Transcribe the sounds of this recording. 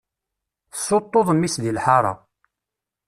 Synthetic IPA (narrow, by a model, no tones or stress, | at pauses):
sːot̪ˤːoðˤmːisðilħɑɾˤɑ̰